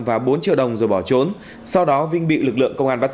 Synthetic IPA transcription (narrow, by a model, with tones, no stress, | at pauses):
vaː˨˩ɓo˨˦nt͡ɕḭ˧˨ɗə˨˩wŋ͡mzo˨˩jɓɔ˧˩t͡ɕo˨˦n | sa˧wɗɔ˨˦vï˧ŋ̟ɓḭ˧˨lɨ˨˩k̚lɨ̰˧˨əŋkə˧wŋ͡mʔaː˧nɓa˦˥t̚